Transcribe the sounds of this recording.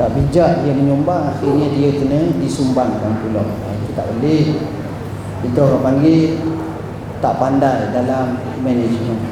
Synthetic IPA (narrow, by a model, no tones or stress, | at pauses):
t̪aʔbid͡ʒaʔdijəməɲumbaŋaxirɲədiək̪unədisumbaŋkanpulɔ̰ŋ | a̰kit̪a̰ʔbəlɪh | bit̪ukapaŋɡiʔ | t̪aʔpandajdalamikmɛned͡ʒmən